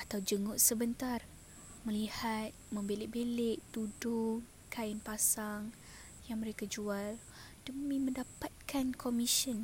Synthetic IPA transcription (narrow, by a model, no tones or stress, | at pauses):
at̪awd͡ʒəŋʊʔsəbənt̪ar | mə̃lihat̪̚mə̃mbelɪʔ̚beleʔt̪udʊ | kaɪnpasaŋ | jaŋməɾekad͡ʒual | d̥əmĩmə̃ndapat̪̚kʰankʰomiʃən